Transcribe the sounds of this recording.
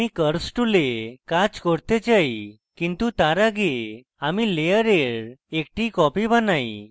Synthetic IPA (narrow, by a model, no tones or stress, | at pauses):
ikəɾsʈulekad͡ʒkɔɽt̪ed͡ʒaj | kint̪ut̪aɾaɡe | amilejəɾeɾek̚ʈikɔpibanaj